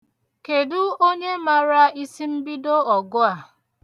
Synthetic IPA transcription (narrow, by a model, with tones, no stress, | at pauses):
ke˨dʊ˦o˦ɲe˦ma˨ɾa˦i˦si˦m̩˦bi˦do˦ɔ˨ɡʊ˦a˨